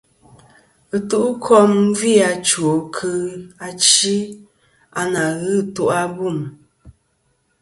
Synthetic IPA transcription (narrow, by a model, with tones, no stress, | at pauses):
ɨ˨tu˦ʔkʰɔ˦m˦vi˦˨a˨t͡ʃwo˨kʰɨ˦a˦t͡ʃi˦ | a˨na˨ɣɨ˦˨tu˦ʔa˦bu˦˨m